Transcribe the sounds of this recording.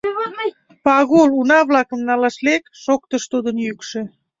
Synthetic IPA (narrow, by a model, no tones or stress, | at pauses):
pɑɣolunɑβlɑkəmnɑlɑʃlekʃokt̪əʃt̪ud̪ənjykʃĕ